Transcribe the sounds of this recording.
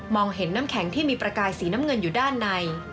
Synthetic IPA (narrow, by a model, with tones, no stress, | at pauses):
mɔː˧ŋɦe˩˦nːaː˦˥mkʰɛ˩˦ŋt̪ʰiː˥˩miː˧pɾa˧kaː˧jsiː˩˦na˦˥mŋɤ˧njuː˨˩daː˥˩nːa˧j